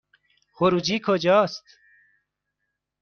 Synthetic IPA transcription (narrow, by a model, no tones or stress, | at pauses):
xoɾud͡ʑikʰod͡ʑaːst̪